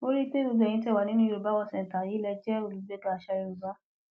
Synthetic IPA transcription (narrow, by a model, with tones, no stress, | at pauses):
o˦ɾi˦te˦o˧dɛ̃˨ĩ˦tɛ˦˨wa˨nĩ˦nũ˦i˦˨o˨˧˨ba˦wɔ˧sɛ̃˨n̩˨ta˨ji˨˦lɛ˧d͡ʒɛ˦o˦˨lu˨˦bɛ˦ɡa˦˧˨ʃa˧ɾi˧o˨ba˦